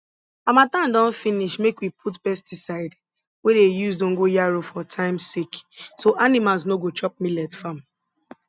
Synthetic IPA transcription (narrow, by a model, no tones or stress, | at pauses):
amatãndɔ̃nfiniʃmekwipʰutpɛstisaɪd | wedejuzdõŋɡojaɹofɔtʰãɪ̃msiksoʔanimalsnoɡot͡ʃɔp̚milɛtfãm